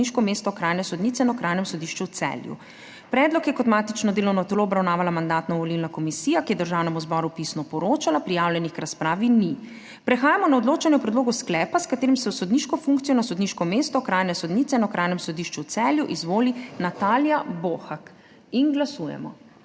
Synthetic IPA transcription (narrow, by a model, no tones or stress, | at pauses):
iʃkɔmeːst̪ɔkɾaːjnɛsɔd̪nit̪sɛnaɔkɾʔajnɛmsɔd̪iʃt͡ʃut̪sɛ̰ːljṵ | pɾɛd̪lɔkjɛkɔt̪maːt̪it͡ʃnɔd̪eːlɔwnɔt̪loɔbɾawnaːʋalamand̪at̪nɔʋɔlilnakɔmisiːjakijɛd̪əɾʒaːwnɛmuzbɔɾupisnɔpɔɾoːt͡ʃalapɾijaːwljɛnixkɾaspɾaːʋini | pɾɛxaːjamɔnaɔd̪loːt͡ʃanjɛpɾɛd̪loːɡusklɛːpaskat̪eːɾimsɛwsɔd̪niʃkɔfuŋk̚t̪sijɔnasɔd̪niʃkɔmeːst̪ɔkɾaːjnɛsɔd̪nit̪sɛnaɔkɾʔaːjnɛmsɔd̪iʃt͡ʃut̪sɛːljuʔizʋoːlinat̪aːljaboxak | inɡlasuːjɛ̰mɔ̰